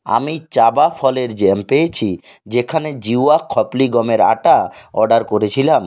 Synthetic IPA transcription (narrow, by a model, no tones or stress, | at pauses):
a̰mit͡ɕabafʰɔleɾd͡ʑempeet͡ɕʰi | d͡ʑekʰaned͡ʑiwakʰːɔpliɡɔmeɾa̰ʈaɔɖaɾkoɾet͡ɕʰilam